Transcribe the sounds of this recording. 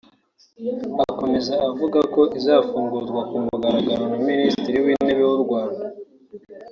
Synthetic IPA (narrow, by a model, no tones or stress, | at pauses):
ako̞me̞zaʔːvuɡako̞ʔizaːfuːŋɡuzɡwakumuɡaɾaɡaɾonaministiɾiwiːne̞βewuɾɡwaːnda